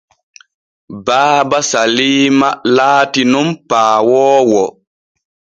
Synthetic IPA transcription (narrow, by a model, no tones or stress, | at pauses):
baːbasaliːmalaːtinumpaːwɔːwɔ